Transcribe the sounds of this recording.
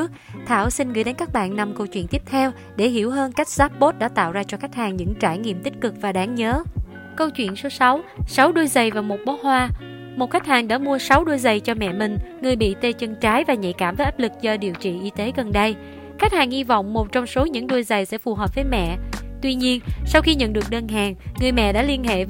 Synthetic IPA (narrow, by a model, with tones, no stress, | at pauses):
ək̚t̪ʰaː˧˩wsï˧nɣɨ̰˧˥jɗe˨˦nkaː˦˥k̚ɓa̰ː˧˨nːa˨˧˩mkə˧wt͡ɕwḭ˧˨ənt̪i˦˥əp̚t̪ʰɛ˧w | ɗe˧˩hi˧˩əwɦəː˧nka˦˥jk̟̚z̥aː˦˥p̚ɓo˦˥t̚ɗa̰ː˧˥t̪a̰ː˧˨wzaː˧t͡ɕɔ˧xa˦˥k̚haː˨˩ŋɲɨ̰˧˥ŋt͡ɕaː˧˩jŋḭ˧˨əmt̪ï˦˥k̟̚kɨ˨˩k̚vaː˨˩ɗaː˨˦ŋɲəː˨˦ | kə˧wt͡ɕwḭ˧˨ənso˨˦sa˨˦wsa˨˦wɗu˧jzə˨˩jvaː˨˩mo˨˩t̚ɓɔ˨˦˥t̚hwaː˧ | mo˨˩t̚xa˦˥jk̚haː˨˩ŋɗa̰ː˧˥mu˧əsa˨˦wɗu˧jzə˨˩jt͡ɕɔ˧mɛ̰˧˨mï˨˩ŋ̟ŋɨ˨˩əjɓḭ˧˨t̪e˧t͡ɕə˧ŋt͡ɕaː˨˦jvaː˨˩ɲə̰˧˨jkaː˧˩mvəː˨˦jʔaː˦˥p̚lɨ˨˩k̚zɔ˧ɗi˨˩əwt͡ɕḭ˧˨ʔi˧t̪e˨˦ɣə˨˩nɗə˧j | xa˦˥jk̚haː˨˩ŋhi˧vɔ̰˧˨wŋ͡mmo˨˩t̚t͡ɕɔ˧wŋ͡mso˨˦ɲɨ̰˧˥ŋɗu˧əjzə˨˩jsɛ̰˧˥fu˨˩ɦəː˨˩p̚vəː˨˦jmɛ̰˧˨t̪wi˧ɲi˧ənsa˧wxi˧ɲə̰˧˨nɗɨ˨˩ək̚ɗəː˧nɦaː˨˩ŋːɨ˨˩əjmɛ̰˧˨ɗa̰ː˧˥li˧ənɦḛ˧˨